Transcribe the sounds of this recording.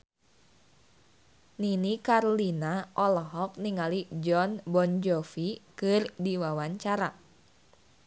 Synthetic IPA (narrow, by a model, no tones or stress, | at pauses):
ninikaɾolinaʔɔlɔɦɔk̚niŋalid͡ʒɔnbɔnd͡ʒɔfikɨrdiwawaɲt͡ʃaɾa